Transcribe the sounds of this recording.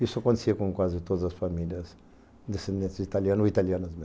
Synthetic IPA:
isuɐkõnt̪siɐkõkwazɪt̪od̪ɐzɐsfɐmiljɐz | d̪esẽnd̪ẽnt̪zit̪aljãnoit̪alianɐzme

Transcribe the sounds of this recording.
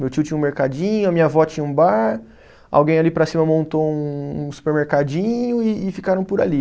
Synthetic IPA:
mewt͡ʃiʊt͡ʃĩɲɐ̃ũmeɾkad͡ʒĩɲʊɐmĩɲɐvɔt͡ʃĩɲɐũbaɾ | a̰wɡẽj̃alipɾɐsĩmɐmõnt̪oũũsu̥peɾmeɾkad͡ʒĩɲʊɪːfikaɾɐ̃w̃pʊɾa̰li

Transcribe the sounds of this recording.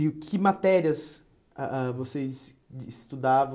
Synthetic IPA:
ʊkʰɪmat̪ɛɾiɐs | aʔavosez | ist̪ud̪avɐ̃

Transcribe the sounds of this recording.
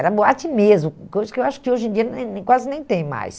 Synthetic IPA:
ɛɾɐboat͡ʃɪ̃mezmʊkojzɐskɪewaʃʊ̥kɪoʒẽd͡ʒiɐnẽnẽkwazɪnẽj̃t̪ẽj̃ma̰js

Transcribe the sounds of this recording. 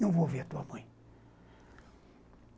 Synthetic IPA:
nɐ̃w̃voveɾat̪uɐmɐ̃j̃

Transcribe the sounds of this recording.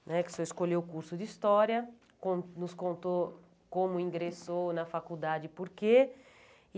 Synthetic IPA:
nɛkɪ̥soeskoʎewkuɾsʊd̪ist̪ɔɾjɐ | kõnnʊskõnt̪o | kõmʊĩŋɡɾesonɐfakud̪ad͡ʒɪpoɾke

